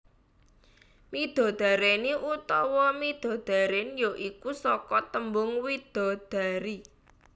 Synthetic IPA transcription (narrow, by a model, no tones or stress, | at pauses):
mid̪̥ɔ̤d̪̥a̤ɾeniʔut̪ɔwɔmid̪̥o̤d̪̥a̤ɾenjoʔikusɔkɔt̪əmbʊŋwid̪̥ɔ̤d̪̥a̤ɾi